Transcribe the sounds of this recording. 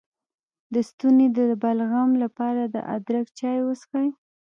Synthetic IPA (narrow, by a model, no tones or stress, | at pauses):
d̪əst̪uned̪əbalɣamlapɑɾad̪ə̰ʔa̰d̪ɾakt͡ʃɑjwəskaj